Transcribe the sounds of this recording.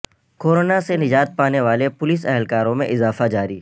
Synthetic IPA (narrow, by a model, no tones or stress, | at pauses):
koːɾoːnasenɪd͡ʒaːt̪̚paːneʋaːlepʊlɪs̬ɛɦɛlkaːɾõmẽʔɪzaːfad͡ʒaːɾiː